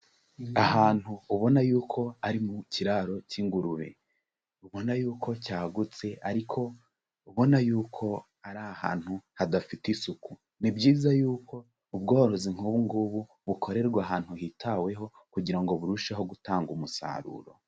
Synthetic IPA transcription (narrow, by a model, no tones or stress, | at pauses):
ahaːn̥huːβo̞najuːkʰo̞aɾimuciɾaːɾo̞ciŋɡuɾuɾḛ | uβo̞najuːkʰo̞caːɡut͡se̞aɾikʰo̞ | uβo̞najuːkʰo̞ | aɾaha̰ːn̥huhadafitisuku | nibɟiːzajuːkʰo̞ | ub̚ɡoːɾoziŋ̥huβuŋɡuβu | βukʰo̞ɾe̞ɾɡwaːɦaːn̥huhitʰawe̞ɦo̞ | kuɟiɾaŋɡo̞βuɾuʃeɦo̞ɡutaːŋɡumusa̰ːɾṵːɾo̞̰